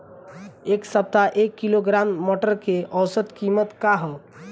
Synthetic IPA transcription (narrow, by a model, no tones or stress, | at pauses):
eksəp̚t̪aʔekːiloɡɾamːɔʈəɾkeʔɔwsət̪kimət̪kaɦə